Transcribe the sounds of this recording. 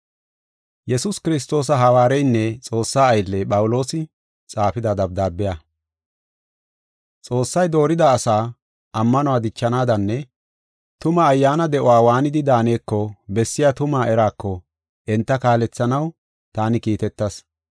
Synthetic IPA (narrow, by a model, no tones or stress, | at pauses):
jɛsʊskɪɾɪs̬t̪o̞ːs̬ɐɦɐwaːɾɛjnːɛt͡sʼo̞ːsːaːjlːɛpʼɐwʊlo̞ːsɪ | t͡sʼaːpɪd̪ad̪ɐb̚d̪aːbːɪja | t͡sʼo̞ːsːɐjd̪o̞ːɾɪd̪aːsaː | ʔɐmːɐnʊwaːd̪ɪt͡ʃːɐnaːd̪ɐnːɛ | t̪ʊmɐːjːaːnɐd̪ɛʔɔwaːwaːnɪd̪ɪd̪aːne̞ːkːɔbɛsːɪjat̪ʊmaːʔɛɾaːkːɔ | ʔɛnt̪ːɐkaːlɛt͡sːɐnɐw | t̪aːnɪkiːt̪ɛt̪ːɐs